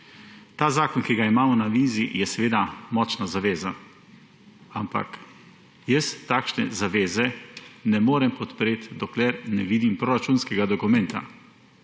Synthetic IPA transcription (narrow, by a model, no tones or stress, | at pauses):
t̪aːzaːkɔnkiɡaimaːmɔnaʋizijɛsɛʋeːd̪amɔːt͡ʃnazaʋeːza | ampa̰k | jəst̪aːkʃnɛ̰zaʋeːzɛnɛmoːɾɛmpɔt̪pɾeːt̪d̪ɔklɛɾnɛʋiːd̪impɾoɾat͡ʃunskɛɡad̪ɔkumɛnt̪a̰